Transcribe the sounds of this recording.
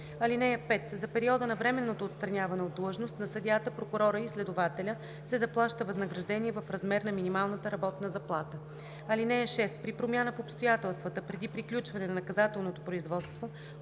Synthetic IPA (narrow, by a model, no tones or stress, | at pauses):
ɐlinɛjəpɛt̪zɐpɛɾiɔd̪ənɐvɾɛmɛnːot̪oːt̪st̪ɾɐnʲavɐnɛod̪ːlˠəʒnost̪nɐsɐd̪ʲjat̪əpɾokʊɾɔɾəislɛd̪ʊvat̪ɛlʲə | sɛzɐplˠaʃt̪əvɐznəɡɾɐʒd̪ɛnʲiɛvɐfɾɐzmɛɾnɐminimalˠnət̪əɾɐbɔt̪nəzɐplˠat̪ə | ɐlinɛjəʃɛst̪pɾipɾomʲanəfopst̪ojat̪ɛlˠst̪vət̪əpɾɛd̪ipɾiklʲut͡ʃvɐnɛnɐnɐkɐzat̪ɛlˠnot̪opɾoizvɔt̪st̪vo